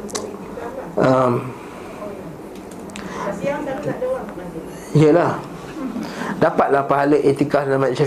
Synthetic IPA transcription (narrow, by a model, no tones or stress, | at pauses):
əm | iəlah | dapat̪̚lahpaɦaləʔet̪ikaslamãsa